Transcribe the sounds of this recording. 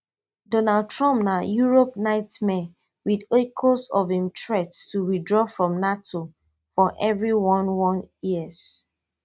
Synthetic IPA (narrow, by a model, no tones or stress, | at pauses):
dɔnald̚tʰɹɔ̃mp̚najuɹopnaɪtmɛ | widokʰosɔvĩmtʰɹɛttuwidɹɔfɹɔ̃mnatʰo | fɔʔɛvɹiwɔ̃nwɔ̃njiəz̥